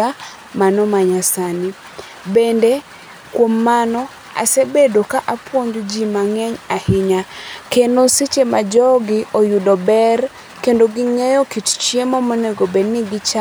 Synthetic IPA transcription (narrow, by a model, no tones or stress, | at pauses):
a | manɔmaɲasani | bende | kwomːanɔ | a̰sebedokaʔapwoɲd͡ʒod͡ʒimaŋɛɲahɪɲakendosit͡ʃema̰d͡ʒɔɡɪʔojudɔbɛr | kendoɡiŋɛjɔkitt͡ʃjemamoneɡobenɪɡɪt͡ʃa